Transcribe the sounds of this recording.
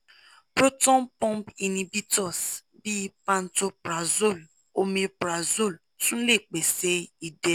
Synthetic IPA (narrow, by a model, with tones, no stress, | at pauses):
pɾo˦tɔ̃˦npɔ̃˦mpi˧nĩ˧bi˦tɔ˦˨s | bi˦pã˧n̩˦to˧pɾa˨zo˦˨l | o˧mĩ˧pɾa˨zo˦˨l | tũ˦le˦˨k͡pe˨se˨˦i˨dɛ˨˦